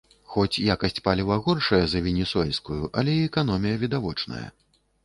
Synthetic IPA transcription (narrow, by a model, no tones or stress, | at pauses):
xɔt͡sʲjakɐsʲt͡sʲpalʲivɐɣɔrʂɐjɐzɐvʲɛnʲɛsuɛlʲskujuʔɐlʲɛiɛkan̪ɔmʲijɐvʲid̪avɔt͡ʂnɐ̰jɐ̰